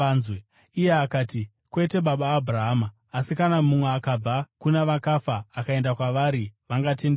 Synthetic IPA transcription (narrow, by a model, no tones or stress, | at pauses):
zwe | ijeakaːti | kwe̞te̞ɓaɓaːbʱuraɦamaː | sikanamumweakab͡vakuneʋakafaːkae̞ndakwaʋaɾiʋaŋɡatende